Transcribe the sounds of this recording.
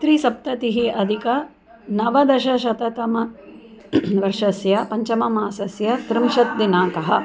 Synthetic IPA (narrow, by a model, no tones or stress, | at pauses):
t̪ɾisɐp̚t̪ɐt̪iɦiʔɐd̪ʱikɐ | nɐʋɐd̪ɐʃɐʃɐt̪ɐt̪ɐmɐ | ʋɐɾʂɐsjɐpɐɲt͡ʃɐmɐmaːsɐsjɐt̪ɾɪmʃɐt̪̚d̪inaːkɐɦɐ